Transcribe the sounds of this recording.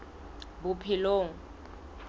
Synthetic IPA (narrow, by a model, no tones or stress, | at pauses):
bʊpʰɪloːŋ̩